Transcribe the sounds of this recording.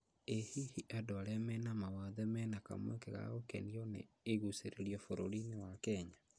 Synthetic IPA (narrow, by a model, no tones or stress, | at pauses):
ehihiʔadoaɾeamɛnamawaðɛmɛnaka̰mwɛ̰keɣa̰ɣokɛ̰niɔnḛː | ɣuseɾeɾiɔfoɾoɾinewakɛɲa